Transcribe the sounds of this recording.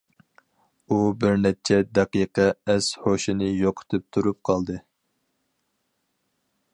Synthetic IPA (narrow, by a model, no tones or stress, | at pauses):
ubɪɾnɛt͡ʃʰɛd̪ɛqiqɛɛshoʃinɨjoqʰə̥t̪ʰɨp̚t̪ʰuɾup̚qʰɑlˠd̪ɨ